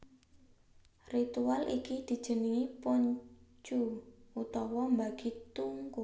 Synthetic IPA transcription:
rit̪ualʔikid̪̥i̤̥ʒ̥ə̤niipɔɲt͡ʃuut̪ɔwɔmbaɡ̥i̤t̪uŋku

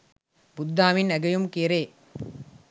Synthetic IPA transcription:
bʊd̪ːaːʋɪnɐɡɐjumkeːɾeː

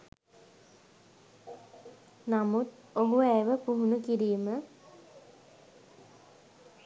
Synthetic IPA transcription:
namut̪ | oɦuæjʋəpuɦunukiɾiːmə

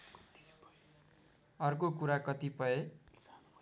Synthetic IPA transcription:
ʌrkokuɾakʌt̪ipʌe

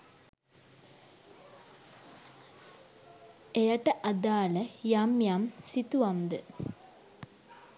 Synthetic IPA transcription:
ejaʈɐʔad̪aːləjaːmjaːmsit̪uʋɐmd̪ə

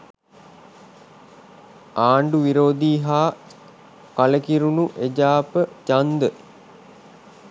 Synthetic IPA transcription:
aːɳɖuʋiɾoːd̪iːɦaː | kaləkiɾunuʔed͡ʒaːpət͡ʃand̪ə

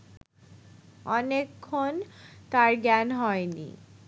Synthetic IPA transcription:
ɔnekʰːont̪aɾɡɛnɦɔenḭ

